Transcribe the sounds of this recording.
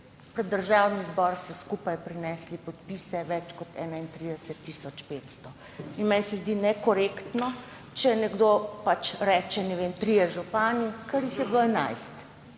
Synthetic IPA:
pɾɛd̪ːəɾʒawnizbɔɾsɔskupajpɾinɛslipɔt̪pisɛʋɛt͡ʃkɔt̪ɛːnaint̪ɾid̪ɛsɛt̪ːisɔt͡ʃpeːt̪st̪ɔ | inmɛnsɛzd̪inɛkɔɾekt̪nɔ | t͡ʃɛnɛɡd̪opat͡ʃɾɛt͡ʃɛnɛʋeːmt̪ɾijɛʒupaːnikəɾjixjɛbləɛna̰jst̪

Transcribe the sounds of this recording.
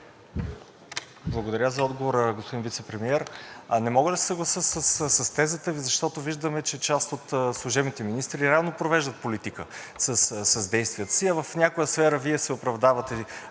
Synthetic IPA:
blˠɐɡod̪ɐɾʲazɐɔd̪ɡovoɾəɡospod̪invit̪sɛpɾɛmiɛɾnɛmɔɡəd̪ɐsɛ̥səɡlˠɐsəsəssɐst̪ɛzət̪əvizɐʃt̪ɔt̪oviʒd̪əmɛt͡ʃɛt͡ʃast̪ot̪slˠʊʒɛbnit̪ɛminist̪ɾiɾavnopɾovɛʒd̪ət̪̚polit̪ikə | səssɐzd̪ɛjst̪vijət̪ə̥siɐvəfnʲakojəsfɛɾəviɛsɛopɾɐvd̪avət̪ɛ

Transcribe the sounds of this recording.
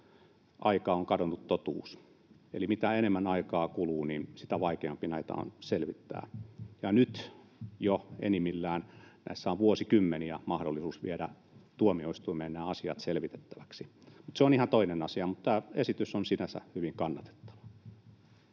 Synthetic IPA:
ʔɑikɑoŋkɑdonːut̪t̪ot̪ṵːs | ḛlimit̪æenemːænɑikɑːkuluːninsit̪æʋɑikeɑmpinæit̪ɑ̰o̰nselʋit̪ːæ̰ːjɑnyt̪ | joḛnimilːæːnnæ̰isːæoʋʋuosikymːeniæmɑhdolːˑisuːsʋḭeɾæ | t̪uomioist̪uimeːnnæːɑsiɑ̰t̪selʋit̪e̥t̪ːæ̥ʋæksi | mut̪seonihɑnt̪oinenɑsiɑmut̪t̪æːesit̪ysonsinæsæ̰hyʋiŋkɑnːɑt̪e̥t̪ːɑ̥ʋɑ̥

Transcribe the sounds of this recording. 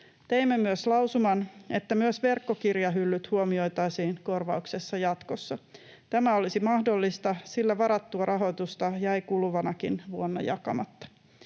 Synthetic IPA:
t̪e̞imːemyøslɑwsumɑne̞t̪ːæmyøsʋe̞rkːokirjɑɦylːyt̪huomio̞jt̪ɑjsiːnko̞rʋɑukse̞sːɑjɑt̪kosːɑ | t̪æmæolisimɑhdolːist̪ɑsilːæʋɑɾɑt̪ːuɑrʔɑɦo̞jt̪ust̪ɑjæjkulʋɑnɑkinʋuonːɑ̰jɑ̰kɑ̰mɑt̪ːɑ̥

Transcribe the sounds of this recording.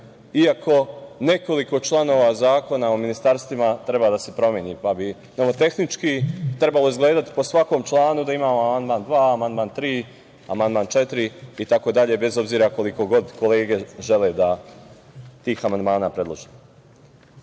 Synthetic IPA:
iakʰo̞ne̞ko̞liko̞t͡ʃlˠano̞ːʋazaːko̞naominist̪aɾst̪ʋimat̪ɾe̞baːd̪ase̞pɾo̞mjeniːpabi | nemot̪e̞xnit͡ʃkit̪ɾe̞balˠo̞izɡle̞ːd̪at̪i̥posʋako̞ːmt͡ʃlˠaːnud̪aimaːmoamand̪maːnd̪ʋaːamand̪maːnt̪ɾiː | amand̪maːnt͡ʃe̞t̪ɾiːt̪ako̞d̪aʎe̞be̞zo̞bziːɾako̞liko̞ɡo̞d̪ko̞le̞ːɡe̞ʒe̞led̪a | t̪iːxamand̪maːnaːpɾe̞d̪lˠoʒi

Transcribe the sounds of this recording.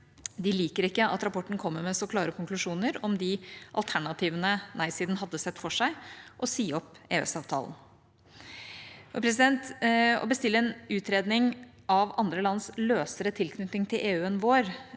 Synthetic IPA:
d̪ɪliːkəɾɪkːəʔɑ̰t̪ɾɑpɔʈːn̩kʰɔmːəmɛsɔkʰlɑːɾəkʰʊŋklʉʂuːnəɾɔmd̪ɪʔɑlt̪ʰæɳɑt̪ʰiːʋənənʔæɪsiːd̪nɦɑd̪ːəsɛt̪ːfɔʂæɪʔɔsiːɔpḛːɛ̰sɑːʋt̪ʰɑ̰ːln̩ | ɔpʰɾɛs̬ɪd̪ɛnt̪ɔ̰bəst̪ɪlːəɛːnʉːt̪ɾeːd̪nɪŋ | ʔɑʋɑnd̪ɾəlɑnːsløːsəɾət̪ʰɪlkʰnʏt̪nɪŋt̪ʰɪlʔeːʉːənʋoːɾ

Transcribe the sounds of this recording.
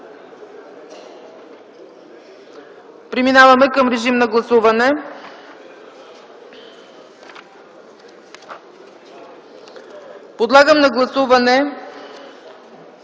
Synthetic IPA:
pɾiminavɐmɛkəmɾɛʒimnɐɡlˠɐsuvɐnɛ | pod̪lˠaɡəmnɐɡlˠɐsuvɐnɛ

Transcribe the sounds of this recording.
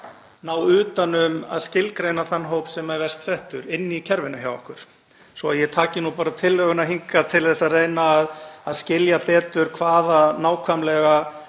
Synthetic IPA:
nawʏːt̪anʏma̰ðscɪlkɾejnaθanːɦoːwpsɛmːaɛɾvɛr̥st̪sɛht̪ʏɾɪnːiicʰɛɾvɪnʏça̰wɔ̰hkʏɾ̥ | sɔaðjɛt̪ʰaːcɪnupaːɾat̪ʰɪlhœɣʏnaɦiŋkat̪ʰɪlθɛsːarejnaːðaðscɪljapɛːt̪ʏɾ̥kʰvaːðanaːwkʰvamlɛɣa

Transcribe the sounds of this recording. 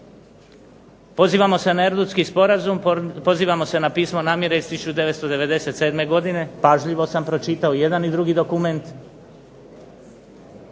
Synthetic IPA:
po̞ziːʋamo̞se̞naeɾd̪ut̪skispo̞ɾazumpo̞ziːʋamo̞se̞napiːsmo̞naːmje̞ɾeizt̪isut͡ʃud̪e̞ʋet̪st̪o̞d̪e̞ʋe̞d̪e̞se̞t̪se̞ːd̪me̞ɡo̞d̪ine̞paʒʎiʋo̞sampɾo̞t͡ʃit̪aoje̞d̪anid̪ɾuɡid̪o̞kume̞nt̪

